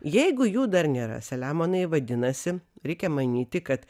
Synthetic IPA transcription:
jɛɪɡʊjuːd̪ɐɾnʲeːɾɐ̰sʲɛlʲæːmoːnɐɪʋɐd̪ʲɪnɐsʲɪɾʲɛɪkʲɛmɐnʲiːt̪ʲɪkɐt̪

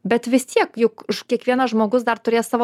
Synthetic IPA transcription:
bʲɛt̪ʋʲɪst̪ʲiɛkjʊkɪʃkʲiɛkʋʲiɛnɐʒmoːɡʊsd̪ɐrt̪ʊɾʲeːjsɑːʋoː

